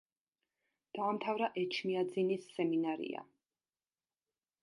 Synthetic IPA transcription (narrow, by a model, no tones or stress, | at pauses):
d̪̥aːmt̪ʰavɾaʔɛt͡ʃʰniad̪zinisːɛminaɾḭa̰